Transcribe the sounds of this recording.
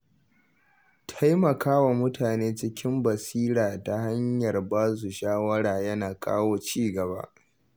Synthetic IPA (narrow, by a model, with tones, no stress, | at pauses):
tʰa˦jmɐ˨kʰaː˦wa˨mʊ˦tʰaː˨neː˦t͡ʃɪ˦kʲɪ˦mbɐ˨siː˦ɾaː˨ta˨ha˦ɲjɐ˨rbaː˦s̬u˨ʃaː˦wɐ˦ɽaː˨jɐ˦naː˨kʼa̰ː˦woː˦t͡ʃiː˦ɡɐ˨ba̰˦ʔ